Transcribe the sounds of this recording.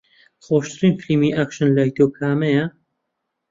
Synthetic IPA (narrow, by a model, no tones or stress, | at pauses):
xoːʃt̪ɨɾiːnflimiːʔakʃɨnlaːjt̪ʰoːkʰaːmɐjɐ